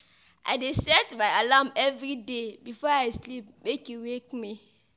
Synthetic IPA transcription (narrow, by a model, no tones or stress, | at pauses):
ʔa̰ɪdesɛtbajalamɛvɾidebifɔaɪslip̚bekjuwekmi